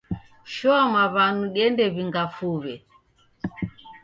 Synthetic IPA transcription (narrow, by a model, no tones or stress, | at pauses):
ʃɔamwaβanuɗiɛndɛβiŋɡafuβɛ